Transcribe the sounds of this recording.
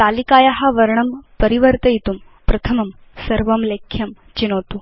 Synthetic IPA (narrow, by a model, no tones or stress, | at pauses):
t̪aːlikaːjɐɦɐʋɐɾɳɐmpɐɾiʋɐɾt̪ɐjit̪um | pɾɐt̪ʰɐmɐm | sɐɾʋɐmleːkʰjɐm | t͡ʃinoːt̪u